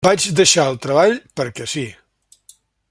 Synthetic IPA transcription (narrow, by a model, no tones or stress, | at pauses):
bad͡ʒd̪əʃaəlˠt̪ɾəβaʎpəɾkɛsi